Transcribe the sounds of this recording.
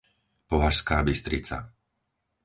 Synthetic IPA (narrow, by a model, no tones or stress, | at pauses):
pɔɦaʃskaːbist̪ɾit͡sa̰